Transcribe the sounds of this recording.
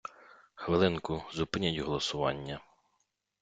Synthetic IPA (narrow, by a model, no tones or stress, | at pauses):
xʋɪlˠɪnkʊzʊpɪnʲitʲɦɔlˠɔsʊʋɑ̰nʲːɐ